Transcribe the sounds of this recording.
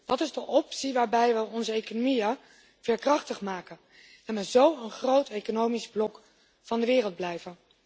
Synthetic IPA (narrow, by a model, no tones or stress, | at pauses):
d̥ɑtɪzdəʔɔpsiʋaːɹbɛjʋəɔnzəejkonomijə | v̥ɛːɹkrɑχtəχmaːkən | ɛnʋəzowənχrowtejkonowmizblɔk | fɑndəʋɪːrəlˠd̚blɛjvən